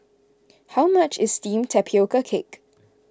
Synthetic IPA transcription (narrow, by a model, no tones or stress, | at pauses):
haʊmat͡ʃɪz̥stĩːmtʰɛpʰiokəkʰɪk